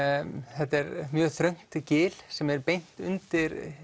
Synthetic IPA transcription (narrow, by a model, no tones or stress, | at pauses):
θɛt̪ːɛɾmjœːɣθɾœɥŋ̥t̪cɪːlsɛmɛɾpejn̥t̪ʏ̰nt̪ɪɾ